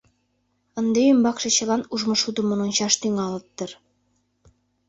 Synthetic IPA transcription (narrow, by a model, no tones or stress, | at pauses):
ɤ̆nd̪ejymbɑkʃɤ̆t͡ɕɤ̆lˠɑnuʒmɤ̆ʃud̪ɤ̆mŏnonɕɑʃt̪yŋɑlˠɤ̆t̪ːɤ̆r